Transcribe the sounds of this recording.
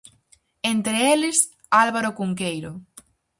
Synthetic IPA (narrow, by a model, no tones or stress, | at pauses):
ent̪ɾɪelɪs | alβaɾokuŋkejɾo